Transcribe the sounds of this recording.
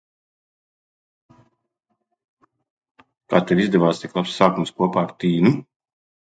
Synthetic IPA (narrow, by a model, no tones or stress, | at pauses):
kaːt̪ɛvizd̪ɛvaːst̪iklˠapsːaːkumskuɔpaːɾt̪iːnu